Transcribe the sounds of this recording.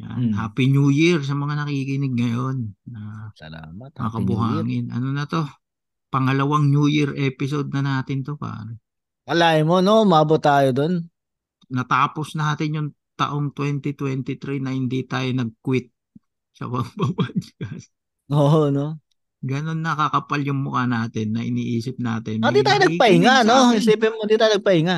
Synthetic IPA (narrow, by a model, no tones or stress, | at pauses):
ja̰nhaːpinujɪɾs̬ɐmɐŋanɐkiːkɪnɪɡ̚ŋɐjonːɐɐlaːmɐt̪mŋakɐbʊhaːŋɪnʔɐ̰no̞nɐt̪o̞ | pɐŋɐlɐwaŋnjuːjɪɾʔɛːpɪsod̪̚nɐnaːt̪ɪnt̪o̞pa̰ːɾo | kɐlaːɪmonoʊmaːbʊt̪ːaːjod̪on | nɐt̪aːpo̞snɐaːt̪ɪnjʊŋ | t̪ɐ̰ʔo̞ŋt̪wɛnt̪ɪt̪wɛnt̪ɪt̪ɾinɐhɪnd̪it̪aːjonɐɡ̚kwɪt̪̚ | sɐ̰pɐɡpɐbad͡ʒkɐs | oːono | ɡɐno̞nːɐkɐkɐpaljʊŋmʊkanaːt̪ɪnːɐʔɪ̰niːʔiːsɪp̚naːt̪ɪnd̪iːt̪aːjonɐɡpɐʔɪŋanoɪsipɛmnd̪iːt̪aːjoɐɡ̚pɐɪŋa